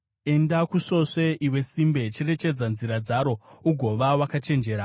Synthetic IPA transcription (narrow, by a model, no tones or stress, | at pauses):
e̞ndakuso̞ʂe̞ʔiwe̞simbe̞t͡ʃe̞re̞t͡ʃe̞d͡zanziɾad͡zaɾo̞uɡʱo̞ʋawakat͡ʃe̞nd͡ʒe̞ːɾa